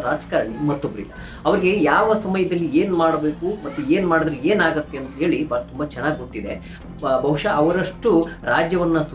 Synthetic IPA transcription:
ɾaːd͡ʒkaːɾɐɳimɐt̪ːobɐɾḭlːɐ | ɐʋɐɾiɡe̞jaːʋɐsɐmɐjɐd̪ɐlːieːnmaːɽbe̞ːkumɐt̪ːueːnmaːɽid̪ɾee̞ːnaːɡɐt̪ːeɐnt̪ɐɦe̞ːɭibʱaːɡɐt̪umbat͡ʃɛnːaːɡʲɡoʈ̪ːid̪e̞ | bʱɐwʂɐʔɐʋɐɾɐʂʈuɾaːd͡ʒjɐʋɐnːɐsu

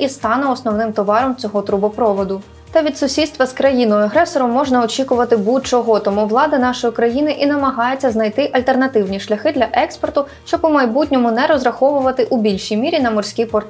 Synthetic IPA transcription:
ist̪ɑnʊɔsnɔwnɪmt̪ɔʋɑɾɔmt͡sʲɔɦɔt̪ɾubɔpɾɔʋɔd̪ʊ | t̪ɐʋʲid̪sʊsʲid̪st̪ʋɐskɾɐjinɔjɐɦɾɛsɔɾɔmːɔʒnɐɔt͡ʃʲikʊʋɐt̪ɪbut̪̚t͡ʃɔɦɔt̪ɔmuʋlˠɑd̪ɐnɑʃɔjikɾɐjinɪʔinɐmɐɦɑjet͡sʲːɐznɐjt̪ɪʔɐlʲt̪e̞rnɐt̪ɪwnʲiʃlʲɐxɪd̪lʲɐʔɛkspɔrt̪ʊ | ʃt͡ʃɔpɔmɐjbutʲnʲɔmʊnɛɾɔzɾɐxɔʋʊʋɐt̪ɪʔubʲilʲʃijmʲiɾʲinɐmɔrsʲkʲipɔrt̪

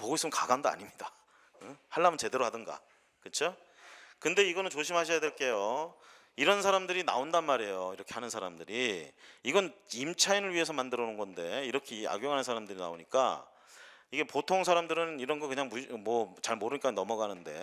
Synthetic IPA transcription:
poɡois͈ɯmnkaɡandoa̰ɲimɲida | haɭːamɯnt͡ɕe̞de̞ɾoɦadɯnɡa̰ | kɯt͡ɕʰo | kɯnde̞iɡʌnɯnt͡ɕoɕʰimhaɕʰʌjadwe̞ɭk͈e̞jo | iɾʌnsʰaɾamdɯɾina̰ondanmaɾe̞joiɾʌkʰe̞hanɯnsʰaɾamdɯɾiiɡʌnimt͡ɕʰainɯɭɥie̞s̬ʰʌmandɯɾʌnɯnɡʌnde̞iɾʌkʰia̰ɡjoŋɦanɯnsʰaɾamdɯɾina̰oɲik͈a̰ | iɡe̞potʰoŋsʰaɾamdɯɾɯniɾʌnɡʌkɯɲaŋmumʌt͡ɕaɭmoɾɯɲik͈anʌmʌɡanɯnde̞̰

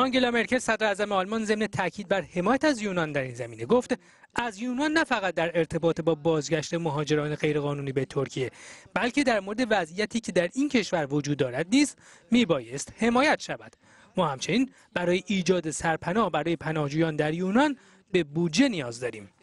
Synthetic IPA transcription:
ʔɒŋɟe̞lɒme̞ɾcʰe̞lsæd̪ɾeːzæmeɒːlmɒnze̞mne̞t̪ʰæcʰiːd̪̚bæɾhe̞mɒːjæt̪æzjuːnɒnd̪æɾiːnzæmiːne̞ɡoft̪ | ʔæzjuːnɒnːæfæɣæt̪̚d̪æɾe̞ɾt̪ʰe̞bɒːt̪ʰebɒːbɒːzɟæʃt̪e̞moɦɒːd͡ʒe̞ɾɒːne̞ɣe̞jɾe̞ɣɒːnuːniːbet̪ʰoɾcʰije̞b̥ælcʰe̞d̪æɾmo̞ɾed̪e̞væzijæt̪ʰiːcʰe̞d̪æɾincʰe̞ʃvæɾvod͡ʒuːd̪ːɒːɾæd̪̚niːst̪ | miːbɒːje̞st̪he̞mɒːjæt̪ʰʃævæd̪̥ | mɒːhæmt͡ʃʰeniːn | b̥æɾɒːjeʔiːd͡ʒɒːd̪esæɾpʰænɒːhbæɾɒːje̞pʰænɒːhd͡ʒuːjɒːnd̪æɾjuːnɒn | be̞bud̪d͡ʒe̞nijɒːzd̪ɒːɾiːm

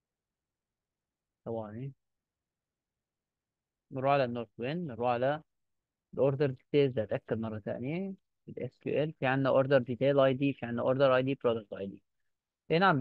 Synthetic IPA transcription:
sæwɑːni | neɾˤuːʕlænːoɾˤt̪wenːeɾˤuːʕalæ | lʔoɾˤd̪eɾˤd̪it̪eːlzæhæt̪ʔækːæd̪mɑrˤːɑt̪æ̰ːnjæ | elʔeskṵːʔelfiʕenːæʔoɾd̪eɾˤd̪it̪eːlʔɑjd̪iːfiʕenːæʔoɾˤd̪eɾʔɑjd̪iːbɾod̪ɑk̚t̪ʔɑ̰jd̪ḭː | ʔenʕam

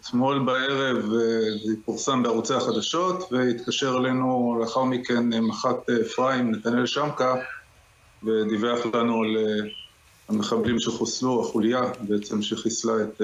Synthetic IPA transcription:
et̪mo̞lbae̞ʁe̞vitfuʁsambeaʁut͡sehaχad̪aʃo̞t̪veit̪kaʃeʁale̞nuleaχaʁmikenmaχat̪ːfʁaimnet̪anjelʃamka | ve̞d̪iveaχlanual | hame̞χablimʃeχosluaχulijabeet͡semʃeχislaet̪̚

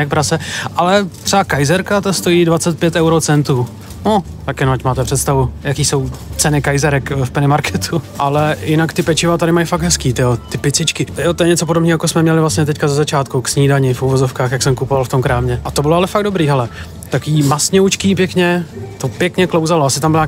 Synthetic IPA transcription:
ɛk̚pɾasɛʔalɛt̪r̥ɛakajzɛɾkat̪ast̪o̞jiːdvat͡sɛt̪̚pjɛt̪ɛwɾot͡sɛnt̪uː | no | t̪akjɛnoacmaːt̪ɛpr̝̥ɛt̪st̪avujakiːso̞wt͡sɛnɪkajzɛɾɛkfpɛnɪmaɾkʰɛt̪ʰuʔalɛjɪnakt̪ɪpɛt͡ʃɪvat̪adɪmajfak̚t̪ɦɛskiːt̪ɪot̪ɪpɪt͡sɪt͡ʃkɪt̪ɪjot̪ojɛɲɛt͡so̞podobniːɦookosmɛmɲɛlɪvlastɲɛt̪ɛckazɛzat͡ʃaːt̪̚kuksɲiːdaɲɪfuvozofkaːxjaksɛmkupovalft̪omkɾaːmɲɛʔat̪obɪloalɛfaɡdo̞bɾiːɦɛlɛ | t̪akiːmasɲowt͡ʃkipjɛkɲɛt̪opjɛkɲɛklowzaloasɪt̪ambɪlɲa

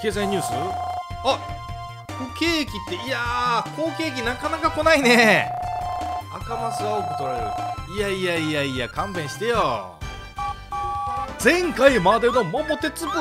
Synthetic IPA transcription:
ke̞ːzaĩɲ̟ɨːsɨa | ɸɯ̟ke̞ːkʲit̪ːe̞iakʰo̞ːke̞ːk̬ʲinakanakako̞naine̞ | a̰kamasɨokot̪oɾaoiaijaiaiakãmbẽ̞ɕi̥t̪ejo | d͡zẽ̞ŋkaimad̪enomomot̪e̞t͡sɨbɯ

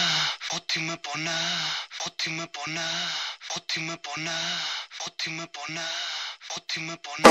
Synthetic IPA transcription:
kɔt̪ʰimɛpʼɔnakɔt̪ʰimɛpʼɔnakɔt̪ʰimɛpʼɔnakɔt̪ʰimɛpʼɔnakɔt̪ʰimɛpʼɔn

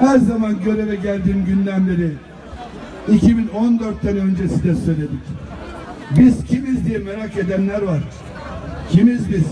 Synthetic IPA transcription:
hæɾzamanɟøɾɛvɛɟælʲd̪iːmɟynd̪ænbeɾi | icʰibino̞nd̪øɾt̪ːænø̞nd͡ʒɛsizd̪ɛsø̞jlʲed̪ic | biz̥cʰimizd̪ijɛmeɾake̞d̪ænlʲæɾvaɾ̥ | cʰimizbiz̥

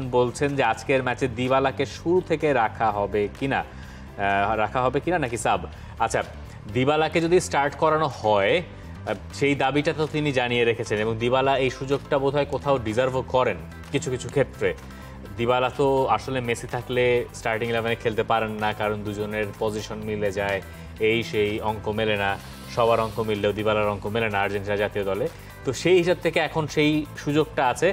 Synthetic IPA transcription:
nbolt͡ɕʰend͡ʑead͡ʑkeɾmɛt͡ɕed̪ibalakeʃuɾut̪ʰekeɾakʰaɦɔbekina̰ | ɾakʰaɦɔbekinanakisab | atːɕʰa | d̪ibalaked͡ʑod̪isʈaɾʈkɔɾanohɔe | ʃejd̪abiʈat̪ot̪inid͡ʑanijeɾekʰet͡ɕʰeneboŋd̪ibalaejʃud͡ʑoɡʈabod̪ʱaekot̪ʰaoɖizaɾvʱokɔɾen | kit͡ɕʰukit͡ɕʰukʰet̪ːɾe | d̪iβalat̪oaʃolemesit̪ʰaklesʈaɾʈiŋlɛvanekʰelt̪epaɾenːakaɾond̪ud͡ʑoneɾpod͡ʑiʃonmiled͡ʑae | ejʃejɔŋkomelena | ʃɔbaɾɔŋkomilːeod̪ibalaɾɔŋkomelenaaɾd͡ʑenʈiad͡ʑat̪iod̪ɔle | t̪oʃejɦiʃab̚t̪ʰekeɛkʰonʃejʃud͡ʑoɡ̚ʈaat͡ɕʰe

